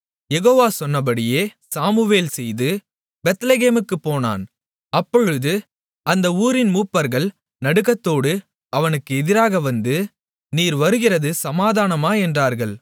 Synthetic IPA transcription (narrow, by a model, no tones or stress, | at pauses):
jɛɣoːʋaːsɔnːɐpɐɽɪjeːsaːmɯʋeːlsɛjðɯ | bɛt̪leːɣeːmɯkːɯpːoːna̰ːn | ɐpːɔɻɯðɯ | ɐnd̪ɐuːɾɪnmuːpːɐɾɣɐɭ | nɐɽɯɣɐt̪ːoːɽɯ | ɐʋɐnɯkːɯɛðɪɾaːɣɐʋɐnd̪ɯ | niːɾʋɐɾɯɣɪrɐðɯsɐmaːðaːnɐmaːɛndraːɾɣɐɭ